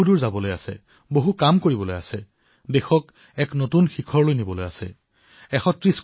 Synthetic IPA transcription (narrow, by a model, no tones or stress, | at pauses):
uduɹzabɔlojasɛ̰ | boɦukamkoɹibɔloja̰sɛ | dexɔk | ɛknotunxikʰɔɹlojnibɔloja̰sɛ̰ | ɛxɔtɹisk